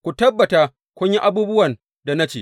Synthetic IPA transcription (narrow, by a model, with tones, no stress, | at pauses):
kʷu˨tɐ˦bːɐ˨ta˦ | kʷʊ˦ɲji˦ʔa˦buː˦bʊ˦wɐ˨n | da˨na˦t͡ʃḛː˨